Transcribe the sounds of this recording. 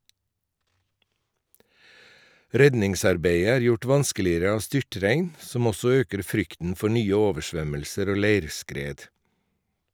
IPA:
ˈɾɛdnɪŋˌsɑɾbeɪə ˈæːɾ ˈjʊʈ ˈʋɑnskəlɪəɾə ˈɑːʋ ˈstʏʈɾæɪn ˈsɔm ˈɔsɔ ˈøːkəɾ ˈfɾʏktn̩ ˈfɔ ˈɳyːə ˈoːʋəˌʃʋœməlsəɾ ˈoː ˈleɪɾˌskɾeːd

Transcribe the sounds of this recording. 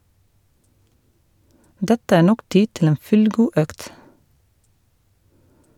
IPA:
ˈdɛtə ˈæː ˈɳɔk ˈtiː ˈtɪl ˈeːn ˈfʉlˌɡuː ˈœkt

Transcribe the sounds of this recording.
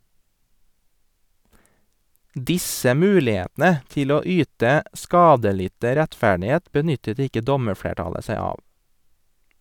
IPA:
ˈdɪsə ˈmʉːlɪˌeːtnə ˈtɪl ˈoː ˈyːtə ˈskɑːdəˌlɪtə ɾɛtˈfæɖɪˌheːt bəˈnʏtət ˈɪkə ˈdɔməˌfɽeːˌʈɑlə ˈsæɪ ˈɑː

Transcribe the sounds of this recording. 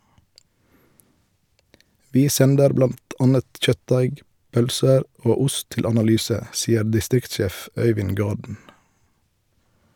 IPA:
ˈʋiː ˈsɛndəɾ ˈblɑnt ˈɑːnət ˈc͡çœtˌdæɪɡ ˈpœlsəɾ ˈoː ˈʊst ˈtɪl ɑnɑˈlyːsə ˈsiːəɾ dɪˈstɾɪktˌʃeːf ˈœʏʋɪn ˈɡɑːdn̩

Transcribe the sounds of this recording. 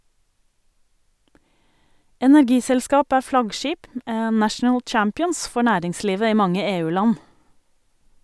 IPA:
ɛnæɾˈɡiːsɛlˌskɑːp ˈæː ˈflɑɡˌʃiːp m ə ˈnæʃn̩əl ˈt͡ʃæmpɪɔns ˈfɔ ˈɳæːɾɪŋˌsliːʋə ˈiː ˈmɑŋə ˈeːˌʉːˌlɑn

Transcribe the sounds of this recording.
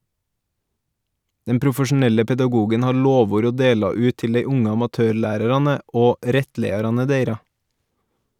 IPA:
ˈdɛm pɾʊfəʃn̩ˈɛlə pɛdɑˈɡuːɡən ˈhɑːɾ ˈloːˌʋuːɾ ˈoː ˈdeːlɑ ˈʉːt ˈtɪl ˈdeɪ ˈʊŋə ɑmɑˈtøːˌɭæːɾəɾɑnə ˈoː ˈɾɛtˌleɪɑɾɑnə ˈdeɪɾɑ

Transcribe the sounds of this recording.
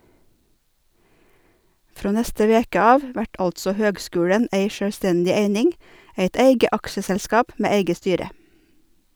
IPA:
ˈfɾoː ˈnɛstə ˈʋeːkə ˈɑːʋ ˈʋæʈ ˈɑltsɔ ˈhøːɡˌskʉːɽən ˈeɪ ʃœɽˈstɛndɪ ˈeɪnɪŋ ˈeɪt ˈeɪɡə ˈɑkʃəsɛlˌskɑːp ˈmeː ˈeɪɡə ˈstyːɾə

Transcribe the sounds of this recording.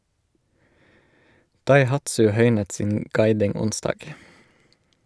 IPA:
dɑɪˈhɑtsʉ ˈhœʏnət ˈsiːn ˈɡɑɪdɪŋ ˈʊnsdɑːɡ

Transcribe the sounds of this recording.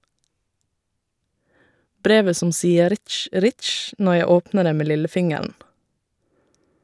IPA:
ˈbɾeːʋə ˈsʊm ˈsiːə ˈɾɪtʃ ˈɾɪtʃ ˈnɔ ˈjæɪ ˈoːpnəɾ ˈeː ˈmeː ˈlɪləˌfɪŋəɾn

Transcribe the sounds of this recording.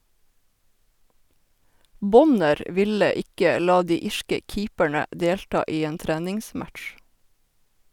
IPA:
ˈbɔnəɾ ə ˈʋɪlə ˈɪkə ˈlɑː ˈdiː ˈɪʃkə ˈkiːpəɳə ˈdeːlʈɑː ˈiː ˈeːn ˈtɾæːnɪŋˌsmætʃ

